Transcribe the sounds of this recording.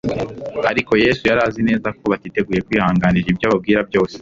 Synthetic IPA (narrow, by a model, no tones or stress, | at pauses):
aɾiko̞je̞ːsujaɾaːzine̞ːzako̞βatiːte̞ɡuːje̞kwiːhaːŋɡaːniɾibjaːβab̚ɡiːɾabjo̞ːse̥